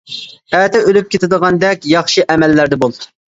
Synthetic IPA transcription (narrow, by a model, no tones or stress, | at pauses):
æt̪ʰɛølyp̚kʲʰet̪ʰɪd̪əʁɑnd̪ɛkʲjɑχʃiʔɛmɛlːæɾd̪ɛbolˠ